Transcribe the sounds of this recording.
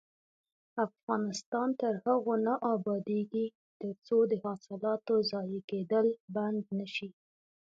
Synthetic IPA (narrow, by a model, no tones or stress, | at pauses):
afɣɑnɪst̪ɑnt̪əɾhaɣonaʔɑbɑd̪eɡi | t̪əɾt͡sod̪əhɑsɪlɑt̪ozɑjeked̪əlband̪naʃi